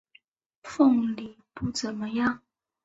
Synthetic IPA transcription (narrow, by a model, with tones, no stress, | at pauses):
fo˥˩ŋli˨˩˦pu˥˩t͡sə˨˩nmə˦jɑ˥˨ŋ